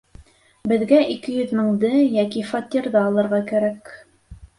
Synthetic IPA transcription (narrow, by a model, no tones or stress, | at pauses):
bɘ̆ðɡæʔikɘjɵ̆ðmɘ̆ɴd̪ɤjækifɑt̪ʲiɾðɑːlˠɤ̆ɾʁɑkæɾæk